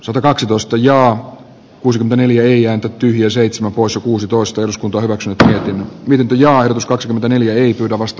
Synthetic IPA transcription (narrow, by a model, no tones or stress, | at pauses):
sɑt̪ɑkɑksit̪oist̪ɑjɑː | kuːsikyment̪æneljæeiæːnt̪æt̪yhjiæseit̪semæmpoˑisjɑkuːsit̪oist̪ɑeluskunt̪oɑːhyʋæksynyt̪miet̪inːmiet̪int̪øjɑːehdot̪uskɑksikyment̪æneljæeipyːdæʋɑst̪ɑ